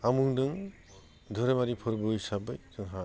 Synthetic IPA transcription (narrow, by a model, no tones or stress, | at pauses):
amuŋdɯŋ | d̪ʱɔɾemaɾipʰɔɾbɯjsabɯjdɯŋɦa